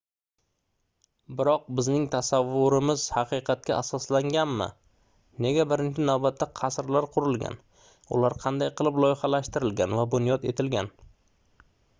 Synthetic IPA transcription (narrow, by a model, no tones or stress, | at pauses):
bɪɾɒq̚bɪznɪŋt̪ʰasavːʊɾɪmɪz̥hɑqʰɨjqʰɑt̪̚kʲaʔasɒslaŋɡʲanmɪ̰ | ne̞ɡʲabɪɾɪnt͡ʃʰɪnawbat̪ʰːaqʰɑsɾlaɾqʰʊɾɪlˠɡʲa̰n | ʊ̰laɾqʰɑnd̪ajqʰɨlˠɪplˠɒjɪχɑlaʃt̪ɪɾɪlɡʲanvabʊnjɒd̪e̞̰t̪ʰɪlɡʲan